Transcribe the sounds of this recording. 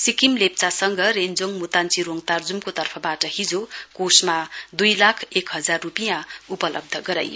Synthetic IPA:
sikimlep̚t͡sasʌŋɡʱʌɾend͡zoŋmut̪ant͡siɾoŋɡt̪ard͡zumkot̪ʌrpʰʌbaʈʌɦid͡zokosmad̪ujlakʰekɦʌd͡zarːupijãupʌlʌ̰b̚d̪ʱʌɡʌɾa̰j

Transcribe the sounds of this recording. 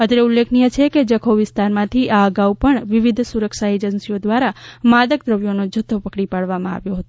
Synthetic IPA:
əd̪ɾeulːekʰnijət͡ʃʰeked͡ʒəkʰoʋɪst̪aɾmãt̪ʰiʔaəɡaupəɳʋɪʋɪd̪ʱsuɾəkʃaed͡ʒənsijod̪ʋaɾamad̪əkd̪ɾəʋjonod͡ʒʱət̪ʰːopəkɽipaɽʋamãa̰ʋjoɦət̪o

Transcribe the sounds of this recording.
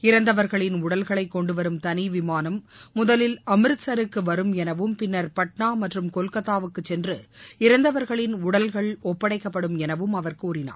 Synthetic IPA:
ɪɾɐnd̪ɐʋɐɾɣɐɭɪnʊɽɐlɣɐɭɐɪkːɔɳɖɯʋɐɾɯmt̪ɐnɪʋɪmaːnɐmːʊðɐlɪlɐmɪɾɯsɐɾɯkːɯʋɐɾɯmɛnɐʋɯmpɪnːɐɾpɐʈɳaːmɐʈrɯmkɔlkɐt̪ːaːʋɯkːɯt͡ʃːɛndrɯɪɾɐnd̪ɐʋɐɾɣɐɭɪnʊɽɐlɣɐɭɔpːɐɽɐɪkːɐpːɐɽɯmɛnɐʋɯmɐʋɐɾkɯuːɾɪna̰ː

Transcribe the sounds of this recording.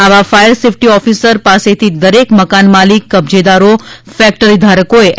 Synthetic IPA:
aʋafajəɾsefʰʈiɔfisəɾpaset̪ʰid̪əɾekməkanmalikːəbd͡ʒed̪aɾo | fɛk̚ʈəɾid̪ʱaɾəkoeʔ

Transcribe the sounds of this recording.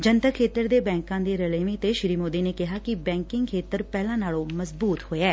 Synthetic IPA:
d͡ʒənt̪əkʰːeːt̪əɾd̪eːbɛ̃ːŋkãːd̪eːɾəleːʋẽːt̪eːʃɪɾiːmoːd̪iːneːkɪɦaːkɪbɛ̃ːŋkɪŋɡkʰeːt̪əɾpɛːlãːnaːlõːməzbuːt̪hoːeɛː

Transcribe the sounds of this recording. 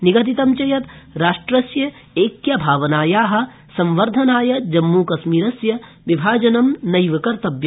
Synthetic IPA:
niɡɐt̪̬it̪ɐmt͡ʃɐjɐt̪ɾaːʂʈɾɐsjɐ | eːkjɐbʱaːʋɐnaːjaːɦɐ̆ | sɐ̃mʋɐɾd̪ʱɐnaːjɐd͡ʒɐmːuːkɐsmiːɾɐsjɐ | ʋibʱaːd͡ʒɐnɐmnɐjʋɐkɐɾt̪ɐbjɐ

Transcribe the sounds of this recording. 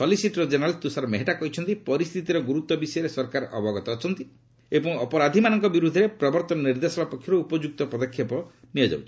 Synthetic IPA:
sɔlisiʈɾɔd͡ʒenɾalt̪usaɾɔmeɦeʈakɔɦit͡ʃʰɔnt̪ipɔɾist̪ʰit̪iɾɔɡuɾut̪wɔbisɔjɔɾesɔɾkaɾʔɔbɔɡɔt̪ɔːt͡ʃʰɔnt̪i | ebɔŋɔpɔɾad̪ʱimanɔŋkɔbiɾud̪ʱeɾepɾɔbɔɾt̪ɔnɔniɾd̪esɔbapɔkʰːjɔɾuupɔd͡ʒuk̚t̪ɔpɾɔd̪ɔkʰːjepɔ | niɔd͡ʒa̰wt͡ʃʰi̥

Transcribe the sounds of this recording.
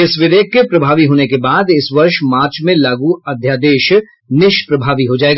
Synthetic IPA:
ɪsʋɪʋeːɡ̚kepɾɐbʱaːʋiɦoːnekebaːd̪ɪsʋɐɾʃmaːɾt͡ʃmẽlaːɡuɐd̪ʱjaːd̪eːʃ | nɪʃpɾɐbʱaːʋiɦod͡ʒaːeːɡaː

